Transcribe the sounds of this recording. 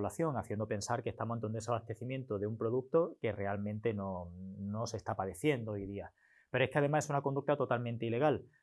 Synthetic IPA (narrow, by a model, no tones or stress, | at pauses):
laθjo̞ŋaθje̞nd̪ope̞nsaɾkest̪amont̪ond̪esaβast̪e̞θimjẽ̞nt̪oðeumpɾo̞ðuk̚t̪o̞ke̞re̞almẽnt̪e̞no̞no̞se̞st̪apaðe̞θje̞nd̪oojðia | peɾoe̞hke̞aðe̞mase̞sunakond̪uk̚t̪at̪o̞t̪almẽnt̪eile̞ɣal